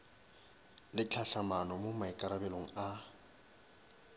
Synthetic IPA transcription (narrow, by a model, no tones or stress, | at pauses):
lɪt͡ɬʰaɬamanɔmomaɪkʼaɾabɛloŋ̩a